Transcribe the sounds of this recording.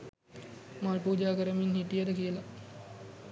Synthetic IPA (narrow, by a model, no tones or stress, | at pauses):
maːpuːd͡ʒaːkəɾəminhiʈijəd̪əkijəla